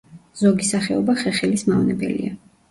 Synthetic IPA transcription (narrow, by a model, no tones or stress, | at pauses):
z̥ɔɡisaχɛɔbaχɛχɛlismavnɛbɛ̰lḭa